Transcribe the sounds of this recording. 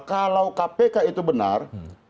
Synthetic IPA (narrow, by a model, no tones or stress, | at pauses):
kalawkapekait̪ubəna̰r